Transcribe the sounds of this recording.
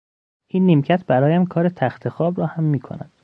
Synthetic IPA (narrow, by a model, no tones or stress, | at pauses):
ʔiːnːimcʰæt̪ʰbæɾɒːjæmkʰɒːɾet̪ʰæxt̪ʰexɒːbɾɒːhæmːiːkʰo̰næ̰nd̪̥